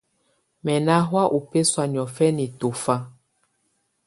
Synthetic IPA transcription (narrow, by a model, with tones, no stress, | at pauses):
mɛ˨na˦ɦwa˦ʔu˨pe˦swa˨ɲ˨ɔ˨fɛ˦ni˨to˨fa˦